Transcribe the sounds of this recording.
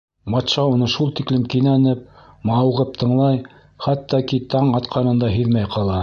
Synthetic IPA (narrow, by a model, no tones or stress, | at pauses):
bɑt̪ʃɑunɤʃulˠt̪iklɘmkinænɘp̚ | mɑwʁɤp̚t̪ʰɤ̆ɴlˠɑj | χɑt̪ːɑkit̪ɑɴɑt̪qʰɑnɤ̆nd̪ɑɦɵðmæjqʰɑlˠɑ